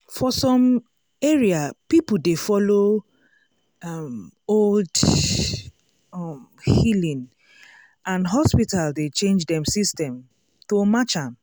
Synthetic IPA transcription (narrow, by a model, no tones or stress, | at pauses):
fɔsɔ̃m | eɹiapipl̩defɔlo | m | old | hilĩn | ʔãnɦɔspitaldet͡ʃẽnd͡ʒdɛ̃msistɛ̃m | tomat͡ʃãm